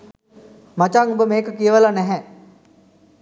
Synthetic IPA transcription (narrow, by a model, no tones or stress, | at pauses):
mat͡ʃaŋubəmeːkəkijəʋəlanɛɦɛ